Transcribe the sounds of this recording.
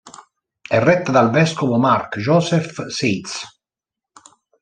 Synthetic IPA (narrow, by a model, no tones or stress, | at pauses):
ɛrːɛt̪ːad̪alvɛskovomarkʒɔːsɛfset̪s